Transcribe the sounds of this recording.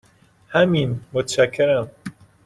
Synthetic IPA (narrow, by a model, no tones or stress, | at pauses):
hæminmot̪ʰʃækʰːeɾæm